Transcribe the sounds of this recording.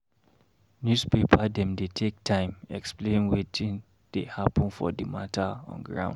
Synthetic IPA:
njuspepʰadɛ̃mdetʰek̚tʰãɪ̃mɛ̰ksplẽnwetʰĩn | d̥ehapɔ̃nfɔ̰dəmatʰaɔ̰̃nɡɹã̰ʊ̃nd

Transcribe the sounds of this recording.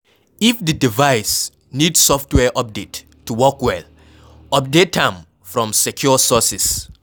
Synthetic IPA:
ifðɨdivaɪs | nidsɔftwɛʔɔp̚detʰː | uwɔkwɛl | ɔp̚detãm | fɹɔ̃msɛkʰjusɔsɪs

